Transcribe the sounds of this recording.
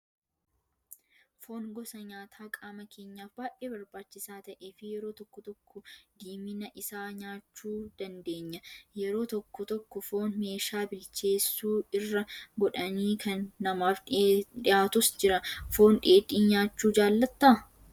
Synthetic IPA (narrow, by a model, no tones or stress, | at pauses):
fo̞ːnɡɔsɐɲaːt̪ʰaːkʼaːmɐkʰe̞ːɲːaːfbaːʔeːbɐɾbaːt͡ʃːɪsaːt̪ɐʔe̞ːfɪjɛɾoːt̪ɔkːɔt̪ɔkːɔd̪iːmɪnɐʔɪsaːɲaːt͡ʃːuːd̪̥ɐnd̪eːɲːɐjɛɾo̞ːt̪ɔkːɔt̪ɔkːɔfo̞ːnme̞ːʃaːbɪlt͡ʃe̞ːsːuːɪrːɐɡɔᶑɐniːkʰɐnːɐmaːfᶑɪjaːt̪ʊsd͡ʒɪɾɐfo̞ːnᶑeːᶑʼiːnɲaːt͡ʃːuːd͡ʒaːlːɐt̪ːɐ